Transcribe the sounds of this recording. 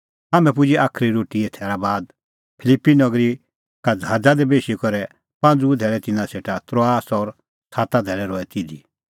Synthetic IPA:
amɛ̃p̬ʊd͡ʒiʔaːkʰɾiɾoːʈiet̪ʰɛːɾabaːd̪̚ | pʰɪlɪpːinɔɡɾi | kad͡ʒaːd͡zad̪ɛbeːʃikɔɾɛ | pãnd͡zud̪ʱɛːɭɛt̪ɪnãseːʈat̪ɾoaːsɔɾ | t͡sʰaːt̪ad̪ʱɛːɭɛɾɔːɛt̪ɪd̪i

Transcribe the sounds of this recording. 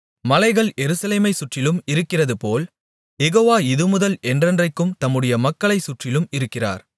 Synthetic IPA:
mɐlɐɪɣɐɭjɛɾɯsɐleːmɐɪsʊʈrɪlɯmɪɾɯkːɪrɐðɯpoːl | jɛɣoːʋaːɪðɯmʊðɐlʔɛndrɐndrɐɪkːɯmt̪ɐmːɯɽɐjɐmɐkːɐɭɐɪsʊʈrɪlɯmɪɾɯkːɪra̰ːɾ

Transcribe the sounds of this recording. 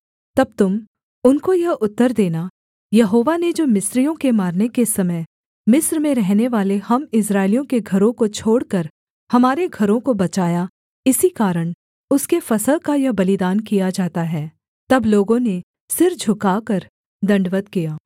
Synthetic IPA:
t̪ɐb̚t̪ʊm | ʊnkojɐʔʊt̪ːəɾd̪eːna | jɐɦoːʋaned͡ʒoːmɪsɾijõkemaːɾnekesɐməj | mɪsɾmẽɾɛɦneʋaːlehɐmɪs̬ɾaːɪlijõkeɡʱɐɾõkot͡ʃʰoːɽkɐɾ | hɐmaːɾeɡʱɐɾõkobɐt͡ʃaːja | ɪsikaːɾəɽ̃ | ʊskefɐsəlkajɐbɐlɪd̪aːnkijad͡ʒaːt̪aɦɛː | t̪ɐbloːɡõne | sɪɾd͡ʒʱʊkaːkɐɾ | d̪ɐ̃ɳɖʋət̪kijaː

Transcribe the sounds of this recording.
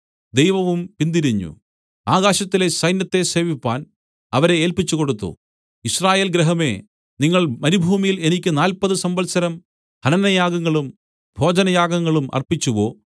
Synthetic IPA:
d̪e̞jʋɐʋumpind̪iɾiɲːṵ | aːɣaːɕɐt̪ːile̞sɐjnjɐt̪ːe̞se̞ːʋipːaːn | ɐʋɐɾe̞eːlpit͡ɕːuko̞ɽut̪ːṵ | israːje̞ːlɡɾeɦɐme̞ | niŋːɐɭmɐɾibʱuːmijile̞nikʲːɨnaːlpɐðɨsɐmbɐlsɐɾɐm | hɐnɐnɐjaːɡɐŋːɐɭum | bʱo̞ːd͡ʑɐnɐjaːɡɐŋːɐɭumɐ̰rpit͡ɕːuʋo̞ː

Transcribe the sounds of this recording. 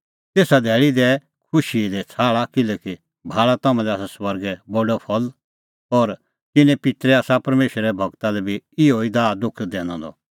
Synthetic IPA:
t̪eːsad̪ʱɛːɭid̪ɛ | kʰʊʃid̪ɛt͡sʰaːɭakɪlɛki | bʱaːɭat̪ɐmãlɛaːsasʋɐɾɡɛbɔɖɔpʰɐl | ɔːɾ | kɪnɛ̃pɪt̪ɾɛaːsapɐɾmeːʃɾɛɛbʱɐɡt̪alɛbʱiɪoːid̪aːd̪ʊkʰd̪ɛːñã̰d̪ɔ̰

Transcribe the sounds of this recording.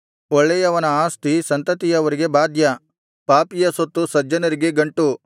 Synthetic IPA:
ɔɭːɛjɐʋɐnɐaːst̪isɐnt̪ɐt̪ijɐʋɐɾiɡe̞baːd̪ʱjɐ | paːpijɐsot̪ːusɐd͡ʒɐnɐɾiɡe̞ɡɐɳʈu

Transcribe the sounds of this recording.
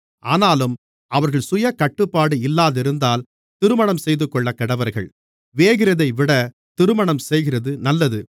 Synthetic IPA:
ʔaːnaːlɯm | ɐʋɐɾɣɐɭsʊjɐkɐʈːɯpːaːɽɯɪlːaːðɪɾɯnd̪aːl | t̪ɪɾɯmɐɳɐmsɛjðɯkːɔɭːɐkːɐɽɐʋɐɾɣɐ̰ɭ | ʋeːɣɪɾɐðɐɪʋɪɽɐ | t̪ɪɾɯmɐɳɐmsɛjɣɪrɐðɯnɐlːɐðɯ

